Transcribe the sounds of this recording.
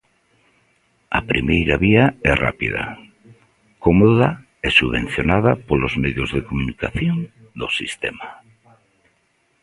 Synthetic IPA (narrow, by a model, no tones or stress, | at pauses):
apɾḭmejɾaβiaɛra̰pḭða̰ | komoða | ɛsuβẽn̟θjonaðapolozmeðjozðekomunikaθjon | d̪osist̪ema